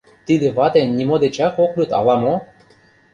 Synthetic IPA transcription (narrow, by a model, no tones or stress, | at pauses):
t̪id̪ɘ̆βɑt̪enːʲimod̪et͡ɕɑxoklʲut̪ɑ̰lɑmo